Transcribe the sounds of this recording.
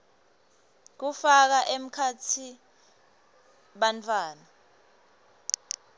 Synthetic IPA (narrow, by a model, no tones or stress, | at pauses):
k̬ufak̬aʔem̩kʰat͡sʰi | ɓant͡fʰʼwaːna